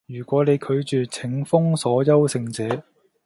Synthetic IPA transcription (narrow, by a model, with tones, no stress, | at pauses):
jyː˨˩kʷɔː˨˥ne˨˧jkʰɵ˨˧ɥt͡ʃyː˨t͡sʰɪ˨˥ŋfʊ˥ŋsɔː˨˥jɐ˥wsɪ˧ŋt͡sɛː˨˥